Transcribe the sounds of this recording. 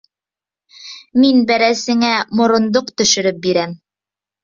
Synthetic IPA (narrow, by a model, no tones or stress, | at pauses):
minbæɾæsɘ̆ŋæmŏɾŏnd̪oqt̪ɵ̆ʃɵ̆ɾɵp̚biɾæm